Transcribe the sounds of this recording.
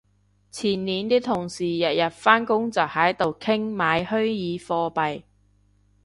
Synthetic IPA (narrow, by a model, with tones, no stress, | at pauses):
t͡sʰiː˨˩nniː˨˧nt̪iː˥t̪ʰʊ˨˩ŋsiː˨˩jɐ˨t̚jɐ˨t̚faː˥nkʊ˥ŋt͡sɐ˨˩hɐ˨˥jt̪o˨wkʰɪ˥ŋmaː˨˧jhɵ˥ɥjiː˨˧fɔː˧pɐ˨j